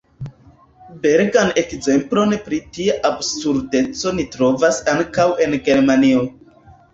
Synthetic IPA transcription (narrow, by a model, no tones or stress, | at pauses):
be̞ɾɡane̞kze̞mplo̞npɾitiaʔabsuɾde̞t͡so̞nitɾo̞vasaŋkawe̞nɡe̞ɾmanio